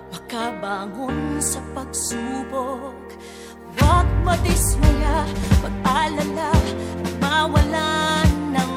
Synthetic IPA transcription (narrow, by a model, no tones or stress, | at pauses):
mɐkabaːŋonsɐpɐɡ̚suːbok̚ | wɐk̚pɐd̪ɪsmʊlapɐɡ̚alɐt̪aɐɡ̚mawɐlanːɐŋ